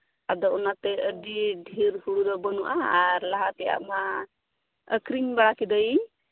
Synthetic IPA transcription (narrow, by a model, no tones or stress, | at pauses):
ad̪ɔunat̪ɛʔəɖiɖʱiɾhuɽud̪ɔbənuʔa̰ːɾlaɦat̪ɛja̰ʔma | əkɾiŋbaɽakid̪əj